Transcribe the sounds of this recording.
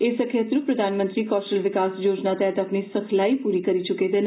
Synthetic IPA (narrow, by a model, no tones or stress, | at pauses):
esəkʰjət̪ɾupɾəd̪ʱanmə̃nt̪ɾikɔsʈəlʋɪkasjoːd͡ʒnat̪eat̪apnisəkʰlaipuɾikəɾit͡ʃuket̪en